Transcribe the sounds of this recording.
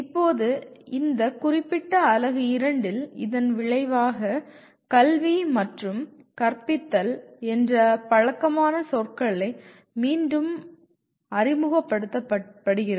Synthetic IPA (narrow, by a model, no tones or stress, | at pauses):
ɪpːoːðɯɪnd̪ɐkʊrɪpːɪʈːɐːlɐɣɯɪɾɐɳɖɪlɪ̰ðɐnʋɪɭɐɪʋaːɣɐ | kɐlʋimɐʈrɯm | kɐrpɪt̪ːɐlɛndrɐpɐɻɐkːɐmaːnɐsɔrkɐɭɐɪ | miːnɖɯm | ɐrɪmʊɣɐpːɐɽɯt̪ːɐpɐpːɐɽɯɣɪrɐ